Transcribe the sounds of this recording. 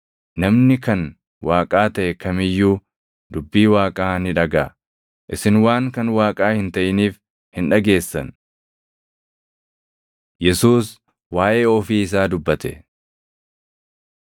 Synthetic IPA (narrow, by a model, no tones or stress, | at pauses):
nɐmnɪkɐn | waːkʼaːt̪ɐʔɛkɐmɪjːuː | d̪̥ʊbːiːwaːkʼaːnɪᶑɐɡaː | ʔɪsɪnwaːŋkɐnwaːkʼaːhɪnt̪ɐʔɪniːf | hɪnᶑɐɡe̞ːsːɐ̰n | jɛsuːs | waːʔe̞ːɔfiːɪs̬aːd̪ʊbːɐt̪ɛ̰